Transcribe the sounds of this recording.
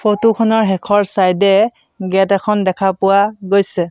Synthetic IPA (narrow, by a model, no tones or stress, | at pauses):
pʰotukʰɔnɔɹɦɛkʰɔɹsajdɛ | ɡɛtɛkʰɔndɛkʰapʊwaɡojsɛ